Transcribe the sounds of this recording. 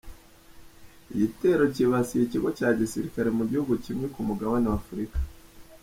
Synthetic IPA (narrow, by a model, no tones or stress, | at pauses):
iɟite̞ɾo̞ciβasijiciɡo̞caːɟisiɾikaɾe̞muɟihuɡucimŋekumuɡawanaafuɾikḁ